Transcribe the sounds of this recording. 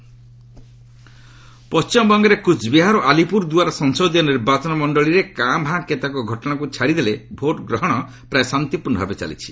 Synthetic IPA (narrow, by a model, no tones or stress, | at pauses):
pɔst͡ʃimɔbɔŋɡeɾekut͡ʃbiɦaɾɔʔalipuɾd̪uaɾɔsɔŋsɔd̪ijɔniɾbat͡ʃɔnɔmɔɳɖɔɭiɾekambʱãket̪akɔɡʱɔʈɔɽ̃akut͡ʃʰaɽid̪elebʱoʈɡɾɔɦɔɽ̃ɔ | pɾajesant̪ipuɾnɔbʱabet͡ʃa̰lḭt͡ʃʰi̥